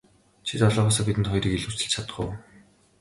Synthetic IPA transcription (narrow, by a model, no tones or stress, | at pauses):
t͡ɕʰit̪ɔɮɔːʁɔːs̬aːpit̪ɘ̆nt̪χɔjɾiːkeɮu̥ːt͡sɘ̆ɮt͡ɕʰat̪ə̥̆ɢʊ̰ːw